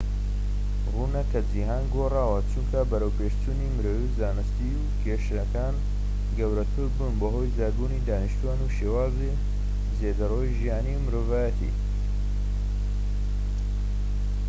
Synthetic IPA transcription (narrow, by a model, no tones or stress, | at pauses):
ruːnɐkɐd͡ziɦaːnɡoraːwɐt͡ʃuŋkʰɐbɐɾəwpʰeʃt͡ʃuːnimɨɾowizaːnɨst̪iukʰeʃɐkaːn | ɡɐwɾɐt̪ʰʊɾbuːnbɐɦoːjzaːɾbuːnid̪aːniʃt̪uaːnuʃewaːzi | zeːd̪ɐroːwiʒijaːniwmɨɾoːvaːjɐt̪ʰḭː